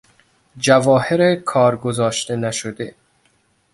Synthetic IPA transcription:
d͡ʒævɒːheɾekʰɒːɾɡozɒːʃt̪enæʃod̪e

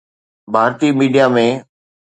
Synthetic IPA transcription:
bʱaːɾt̪iːmiːɖijamẽ

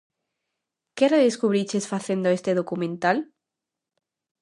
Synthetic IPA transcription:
kereðeskuβɾit͡ʃesfaθend̪oest̪eðokumẽnt̪al

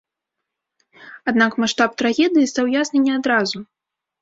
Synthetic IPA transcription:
ad̪nakmaʂt̪ap̚t̪ɾaɣʲɛd̪ɨjist̪awjasnɨnʲɛad̪ɾazu

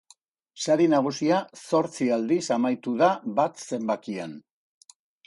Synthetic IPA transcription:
saɾinaɣ̞usiaso̞ɾt͡siald̪isamajt̪uðaβat̪se̞mbakian

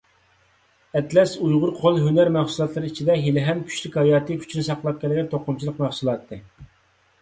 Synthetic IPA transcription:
ɛt̪lɛsujʁʊɾqʰolˠɦynæɾmæχsulˠɑt̪lˠɨɾɨit͡ʃʰid̪ɛɦilɪɦɛmkʲʰy̥ʃlykʲhɑjɑːt̪ʰɨkʲʰy̥t͡ʃʰnɪsɑqlˠɑp̚kʲʰɛlɪɡʲɛnt̪ʰoqʊmt͡ʃʰilˠəqmæχsulˠɑt̪ʰːɨ

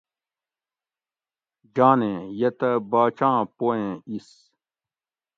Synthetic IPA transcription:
d͡ʑaːnẽjɐt̪ɐbaːt͡ɕãːpoẽːis

